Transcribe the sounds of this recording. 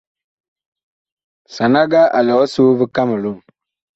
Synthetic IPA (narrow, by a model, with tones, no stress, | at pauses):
sa˨na˦ɡa˦ʔa˨lɔ˨˦soː˦bɨ˦ka˦mɨ˨lu˦˨